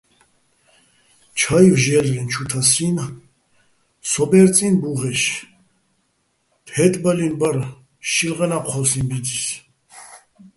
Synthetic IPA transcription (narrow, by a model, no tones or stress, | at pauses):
t͡ʃʰaivʒɛlɾɛnt͡ʃʰut̪ʰasin | sɔbɛɾt͡sʼinbuʁɛʃ | t̪ʰhɛt̪ʼbəlinbəɾ | ʃilʁɛnapχɔsinbiis